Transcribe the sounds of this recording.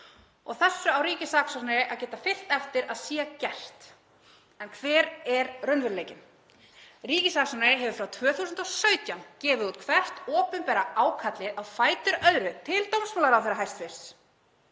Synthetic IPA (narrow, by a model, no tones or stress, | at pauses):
ɔɣθɛsːʏawɾiːcɪsaːksɔnɾɪʔaðcɛːt̪afɪl̥t̪ɛft̪ɪɾaðsiːɣacɛr̥t̪ | ɛnkʰvɛːɾɛɾrœnvʏɾleːjcɪn | riːcɪsaːksɔnɾɪɦɛvʏfɾawt̪ʰvœːθusʏnt̪ɔwsœːɥt̪jancɛːvʏðuːt̪̚kʰvɛr̥t̪ɔːpʏmpɛːɾaaːwkʰat̪lɪðʔawfaːjt̪ʏɾœðɾʏt̪ʰɪlt̪owmsmɔlaɾawθɛɾaɦajst̪fɪr̥s